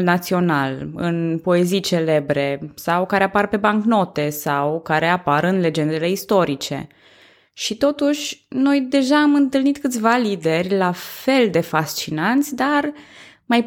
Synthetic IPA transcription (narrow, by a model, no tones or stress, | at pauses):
lnat̪sio̞nalɨ̰npo̞e̞zijt͡ʃe̞le̞bɾe̞sawkaɾe̞aparpe̞baŋkno̞t̪e̞sawkaɾe̞apaɾɨnle̞d͡ʒe̞nd̪e̞le̞ist̪o̞ɾit͡ʃe̞̰ | ʃit̪o̞t̪uʃʲno̞jd̪e̞ʒaːmɨnt̪ɨlnit̪kɨt̪sʲvalid̪e̞rʲlafe̞ld̪e̞fast͡ʃinant̪sʲd̪armaj